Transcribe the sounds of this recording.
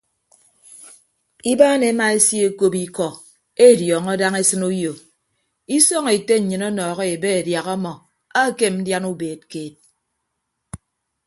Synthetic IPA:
i˦baː˦ne˨˦ma˦e˦sje˦ko˦pi˦kɔ˨ | e˦˨djɔː˨ŋɔ˦da˦ŋe˦sɨ˦nu˦jo˨ | i˦sɔ˦ŋe˨te˦ɲ̩˨ɲɨ˨nɔ˦nɔː˨ɣɔ˦e˨be˦e˨dja˨ɣɔ˦mɔ˨ | a˦ke˦˨mn̩˦dja˦nu˦beː˨t̚keː˨t̚

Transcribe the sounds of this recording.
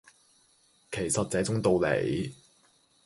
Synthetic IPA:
kʰe˨˩jsɐ˨t̚t͡sɛː˨˥t͡sʊ˥ŋt̪o˨˧wlḛ˨˩j

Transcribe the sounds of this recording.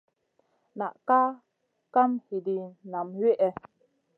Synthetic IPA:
na˨ʔka˦ | ka˦mhi˨di˨na˨mɥe˦ʔɛ˨

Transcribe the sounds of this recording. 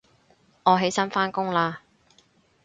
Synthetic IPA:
ŋɔː˨˧ɦe˨˥jsɐ˥nfaː˥nkʊ˥ŋlaː˧

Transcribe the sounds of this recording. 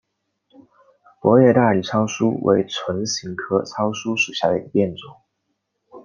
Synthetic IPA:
pwɔ˧˥ɥɛ˥˧t̪a˥˩˨t͡sʰɑ˥ʊsu˥wʔḛ˧˥ɪt͡sʰwə˧˥nɕi˧˥ŋkʰɤ˥t͡sʰɑ˥ʊsu˥ʂu˨˩ɕja˥˩d̪ə˩˧ḭ˧˥ɡə˧˩pjɛ˥˩nt͡sʊ˨˩˦ŋ

